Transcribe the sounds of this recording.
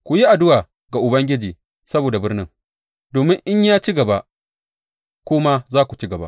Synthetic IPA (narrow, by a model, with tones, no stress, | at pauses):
kʷu˨ji˦ʔa˨dʊ˦waː˨ | ɡa˨ʔʊ˨bɐ˦ŋɡʲɪ˦d͡ʒiː˨ | sɐ˦boː˨da˨bɪ˦rnɪ̰˦ŋ | doː˨mɪ˦ŋʔɪ˦ɲjaː˦t͡ʃi˦ɡɐ˨ba˦ʔ | kʷʊː˦ma˦zaː˦kʷu˨t͡ʃi˦ɡɐ˨ba̰˦ʔ